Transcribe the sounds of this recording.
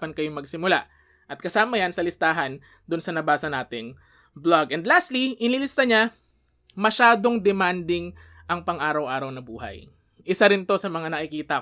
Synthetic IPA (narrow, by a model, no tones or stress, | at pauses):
pɐnkɐjomɐɡsɪmʊla | ʔɐt̪̚kɐsaːmɐjɐnsɐlɪst̪aːɦɐn | d̪ʊnsɐnɐbaːsɐnaːt̪ɪŋ | blaɡʔɛnd̪last̪liʔɪnilɪst̪ɐɲa | mɐʃaːd̪o̞ŋd̪ɛmand̪ɪŋ | ʔɐŋpɐŋʔaːɾɐwʔaːɾɐwnɐbuːɦɐ̰j | ʔɪsaɾɪnt̪o̞sɐmɐŋanɐkɪkiːt̪ɐ